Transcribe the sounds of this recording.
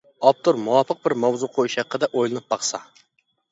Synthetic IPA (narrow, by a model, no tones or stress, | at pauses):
ɑp̚t̪ʰuɾmuwɑpəq̚bɪɾmɑwzuqʰojuʃɛqːəd̪ɛʔojlˠɨnɨp̚bɑχsɑ̰